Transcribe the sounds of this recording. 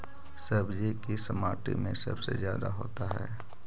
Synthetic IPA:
səbd͡ʒikisəmaːʈḭmẽsɐ̰bsezjaːd̪aɦoːt̪aɦɛ̰ː

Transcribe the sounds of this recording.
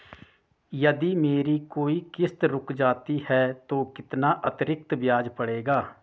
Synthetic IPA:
jəd̪iːmeːɾiːkoːiːkɪst̪ɾʊkd͡ʒaːt̪iːhɛːt̪õːkɪt̪naːʔət̪ɾɪk̚t̪bjaːd͡ʒpəɽeːɡaː

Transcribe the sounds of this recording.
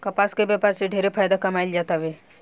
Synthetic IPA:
kɐpaːskebjɛːpaɾseɖʱeːɾepʰaːjd̪akɐmaːild͡ʒaːt̪aʋeː

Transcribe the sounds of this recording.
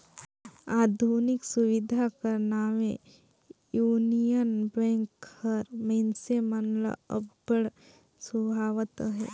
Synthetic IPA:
aːd̪ʱunɪksuwɪd̪ʱakɐɾnaːʋẽ | juːnijənbɛ̃ːŋkhəɾmɛ̃nsemənlə̰ə̰bbəɽ | subʱaːʋət̪ɦɛ̰ː

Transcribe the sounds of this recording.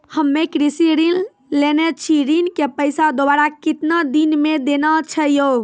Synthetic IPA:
həmːekɾisiɾin | lenɛt͡ʃʰiɾinkepəjsad̪obaɾakit̪nad̪inmed̪enat͡ʃʰəjo

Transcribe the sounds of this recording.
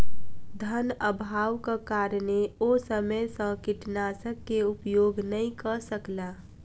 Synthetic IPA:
d̪ʱənəbʱaːwkakaːɾneosəməjsə̃kɪʈnaːsəkːeupjoːɡnəĩkəsəklaː

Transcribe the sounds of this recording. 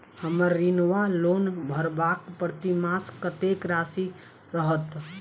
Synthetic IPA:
həməɾːinʋalonbʱəɾbakpəɾt̪imaskət̪ekɾasi | ɾəɦət̪

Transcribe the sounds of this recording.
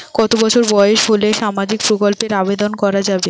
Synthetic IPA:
kɔt̪obɔt͡ɕʰoɾbɔeeʃɦoleʃamad͡ʑik̚pɾokolpeɾabed̪onkɔɾad͡ʑabe

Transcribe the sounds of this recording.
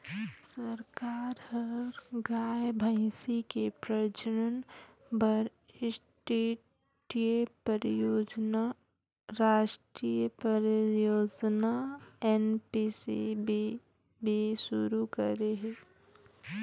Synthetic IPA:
səɾkaːɾhəɾɡaːjbʱaɪsikepɾəd͡ʒəɾən | bəɾ | ɪsʈeː | ʈijepəɾijoːd͡ʒna | ɾaːʃʈɾiːjəpəɾəjoːd͡ʒnaɛːnpisḭbi | bʱiʃʊɾukəɾeɦɛ̃ː

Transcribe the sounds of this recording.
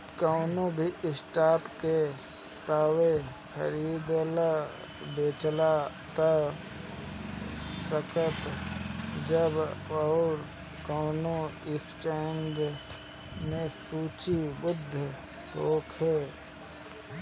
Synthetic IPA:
kaːnõbʱiʔɪsʈaːpke | t̪aːwe | kʰə̰ɾiːd̪la | beːt͡ʃla | t̪a | səkət̪ | d͡ʒəbɔːɾ | kaːnoɪkt͡ʃeːnd͡ʒ | mẽsuːt͡ʃibʊd̪ʱːə | ɦoːkʰɦeː

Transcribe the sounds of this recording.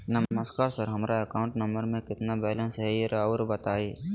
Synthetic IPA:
nəmməskaːɾsəɾɦɐmɾaekaːʊ̃ɳʈnɐmbəɾmẽkɪt̪nabɛːlə̃nsɦɛɾɔːɾbɐt̪aːi

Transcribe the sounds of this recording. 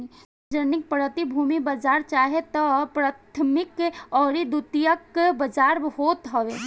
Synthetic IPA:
d͡ʒənɪk̚pɾət̪ibʱuːmibəd͡ʒaːɾt͡ʃaːɦet̪ɔpɾaːt̪ʰmɪkɔːɾid̪ut̪ijəkbəd͡ʒaːɾhoːt̪ɦɔʋe

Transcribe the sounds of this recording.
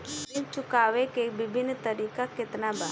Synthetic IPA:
it͡ʃʊkaːʋekebɪbʱɪnːt̪əɾiːkakɪt̪naba

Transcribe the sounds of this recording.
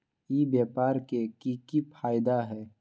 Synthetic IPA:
ibjaːpaːɾkekikipʰaːjɪd̪aɦɛː

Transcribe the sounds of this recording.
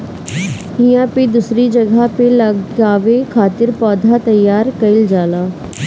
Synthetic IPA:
ɦijãːped̪usɾid͡ʒɐɡʱapelɐɡaːʋekʰaːt̪ɪɾpɔːd̪ʱat̪ɐjːaːɾkɐɪld͡ʒaːlaː

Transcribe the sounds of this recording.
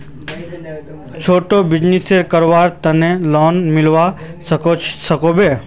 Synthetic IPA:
t͡ʃʰoːʈobɪd͡ʒniseɾkəɾʋaːɾt̪ɐnelɔːnmɪlʋasəkosəkobeː

